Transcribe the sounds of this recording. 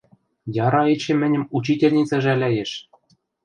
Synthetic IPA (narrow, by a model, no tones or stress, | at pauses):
jɑɾɑet͡ɕĕmɘ̆nʲɘ̆mut͡ɕitʲelʲnʲit͡sɑʒælʲæjeʃ